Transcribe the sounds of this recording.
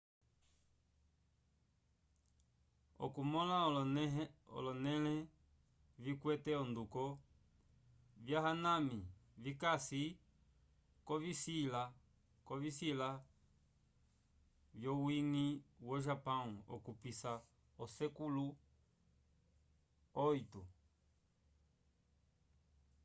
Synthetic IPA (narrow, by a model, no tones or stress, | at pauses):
ɔ̰kumɔla | ɔ̰lɔnɛlɛ | vikwɛtɛɔndukɔ | vjaɦanãmivikasi | kɔvisila | kɔvisila | vjɔwiŋiwɔʒapãuɔ̰kupisa | ɔsɛkulu | ɔitu